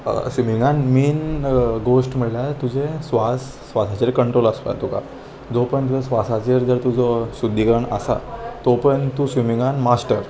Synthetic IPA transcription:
sʋimiŋɡanmiːnɡoʂʈm̤əɽljat̪ud͡ʑesʋasːʋasat͡ɕeɾkəɳʈɾoləsʋa̰t̪uka̰ | d͡zopəɳɔsʋasat͡ɕeɾd͡zəɾt̪ud͡zɔsud̪ʱːiɡəɳə̰sa̰t̪opəɳt̪uːsʋimĩŋɡanmasʈəɾ

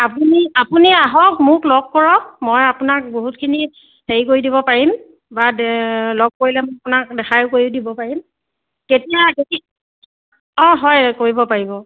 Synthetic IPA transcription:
apuniapuniaɦɔkmʊklɔɡ̚kɔɹɔmojapunak̚boɦutkʰini | heɹikoɹidibɔpaɹim | balɔɡ̚koɹilɛmɔjapʊnak̚dɛxʰajʊkoɹiʊdibɔpaɹim | ketijakeki | ɔ̃ɦɔjkoɹibɔpaɹibɔ

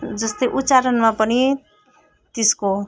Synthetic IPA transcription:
d͡zʌst̪ʌjʔut̪ːt͡saɾʌnmapʌni | t̪esko

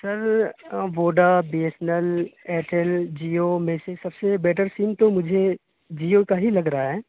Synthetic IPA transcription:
sɐɾʋoːɖabiːesnəlɛːʈʰɛld͡ʒiːomẽsesɐbsebɛːʈəɾsiːmt̪omʊd͡ʒʱe | d͡ʒiːokaɦilɐɡɾaaɦɛː

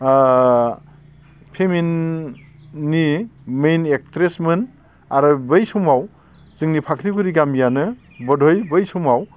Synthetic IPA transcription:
pʰemin | imejnek̚tɾesmɯn | aɾɯbɯjsumaw | z̥ɯŋnipʰakʰɾiɡuɾiɡamijanɯ | bɔdʱojbɯjsumaw

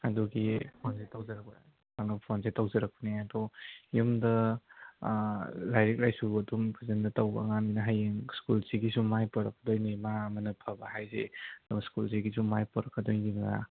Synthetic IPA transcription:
ɐduɡipʰonsetawzɐɾɐk̚p | anɐpʰonsetawzɐɾɐk̚pɐniɐdɔjumdɐ | lajɾik̚lajsuɐdumpʰɐzendɐtawbɐ̰ŋaminɐɦajeŋskulsiɡisumajpɔɾɐk̚ːɐdojnimaɐmɐnɐpʰɐbaɦajzḛdumskulsiɡisumajpɔɾɐkːɐdojniŋɡa̰

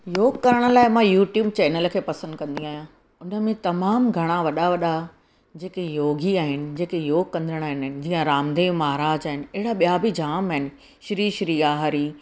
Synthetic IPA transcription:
joːɡkɐɾəɽ̃ə̆laːɪmãjuːʈjuːb̚t͡ɕɛːnəl̆kʰeːpɐsə̃nd̪kɐ̃nd̪ĩaːɦijã | ʊnə̆mẽt̪ɐmaːmɡʱɐɽ̃aʋɐɗaʋɐɗa | d͡ʑeːkejoːɡiaːɦɪnɪ̆d͡ʑeːkejoːɡ̚kɐ̃nd̪əɽ̃aːɦɪnnɪ̆d͡ʑiːə̃ɾaːmd̪eːʋmaːɦɾaːd͡ʑaːɦɪnɪ̆ɐɦɪɽaɓijabɪd͡ʑaːmaːɦɪnɪ̆ | ʃɾiːʃɾiːaːɦaɾi

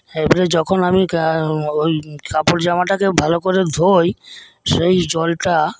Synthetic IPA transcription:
ebaled͡ʑɔkʰonami | ojkapoɾd͡ʑamaʈakebʱalokoɾed̪ʱoj | ʃejd͡ʑɔlʈa

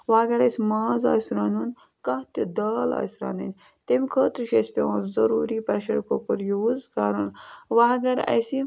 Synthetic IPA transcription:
ʋaːɡɐɾɐsimaːza̰ːsɾaːnun | kɐht̪id̪aːla̰ːsɾa̰ːnɐnʲ | t̪emʲkʰəːt̪ɾiʃesʲpʲewaːnzɐɾuːɾipɐɾʃɐɾkʰokuɾjuzkaːɾunʋaːɡɐɾɐ̰jsi

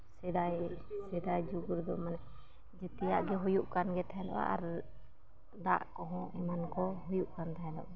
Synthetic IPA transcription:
sɛd̪ajsɛd̪ajd͡ʒuɡuɾd̪ɔmanɛ | d͡ʒɛt̪ɛjaʔɡɛɦujuʔkanɡɛt̪ɛɦɛ̃lɔ̰ʔa̰ʔa̰ɾ | d̪a̰ʔkɔɦɔ̃ʔɛmankɔɦujuʔkant̪ɛɦɛ̃lɔ̰ʔa

